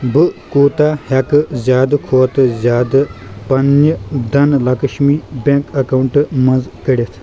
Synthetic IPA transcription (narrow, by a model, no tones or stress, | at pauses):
bɨkoːt̪aːhɐkɨzʲjaːd̪kʰoːt̪ɨzʲjaːd̪ɨpɐnd̪ɐnlɐkəʃmiːbẽkɐkawɳʈmɐ̃nzkəɽʲet̪ʰ